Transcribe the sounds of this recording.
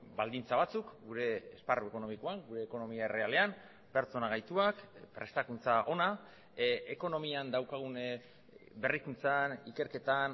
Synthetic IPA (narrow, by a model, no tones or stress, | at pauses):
bald̪int͡saβ̞at͡sukɡuɾe̞ːsparue̞ko̞no̞mikoaŋɡuɾe̞ːko̞no̞miaere̞ale̞am | pe̞ɾt͡so̞naɣ̞ajt̪uakpɾe̞st̪akunt͡saʔo̞na | eko̞no̞miand̪awkaɣ̞un | be̞rikunt͡sanike̞ɾke̞t̪an